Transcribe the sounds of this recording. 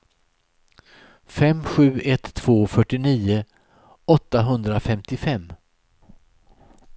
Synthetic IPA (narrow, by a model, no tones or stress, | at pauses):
fɛmɧʉ̟ːɛt̪ʰːv̥oːfœʈːɪniːə | ɔt̪ːaɦɵnd̪ɾafɛmt̪ɪfɛmː